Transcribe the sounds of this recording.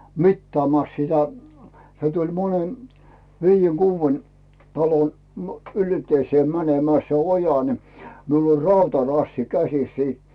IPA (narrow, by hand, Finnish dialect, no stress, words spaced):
mitːɑːmɑˑs sitæ se tulʲ monen ʋiːjːeŋ ɡ̊uːʋːen tɑlon m ylteiseː mænemæː se ojɑ ni miul olʲ rɑutɑrɑsːi kæsis siː